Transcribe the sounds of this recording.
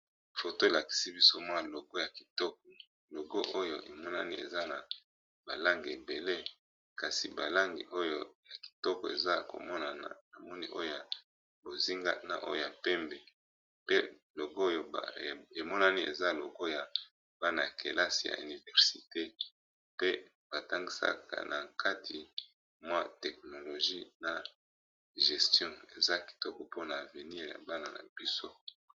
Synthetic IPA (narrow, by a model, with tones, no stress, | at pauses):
fo˨to˦e˨la˨ki̥˨si˦bi˦so˦mwa˦˨lo˨ɡo˦ja˨ki˨tɔ˦k̚ɔ˨ | lo˨ɡo˦ʔo˦jo˨ʔe˨mɔ˦na̰˦ni˦ḛ˨za˦na˨ | ba̰˨la˦ŋɡi˨e˨be˨le˦ | ka˨si˨ba˨la˦ŋɡḭ˨ʔo˦jo˦ja˨ki̥˨tɔ˦kɔ˨ḛ˨za˦ko̰˨mɔ˦na˨na˨mɔ˦nḭ˦ʔo˦jo˦ja˨ | bo˨zi˦ŋɡa̰˦na̰˨ʔo̰˦jo˨ja˨pɛ˦mbe˨ | pe˦ | lo˨ɡo˦je˨mɔ˦na˦ni˦ʔḛ˨za˦˨lo˨ɡo˦ja˨ | ba˦na˨a˨ke˨la˦si˨ja̰˨y̰˨ni˨vɛ˨ʁsi˨te˦ | pe˦ | b̥a˨ta˦ŋɡi˦sa̰˦ka̰˨nʔa˨ka˦tʰi˨ | mwa˦tɛ˨k̚no˨lo˨ʒi˦na˨ | ʒɛ˨stjɔ̃˦ḛ˨za˦ki̥˨tɔ˦kɔ˨po˦na˨ve˨ni˦ʁja̰˨ba˦na˨na̰˨b̥i˦so˦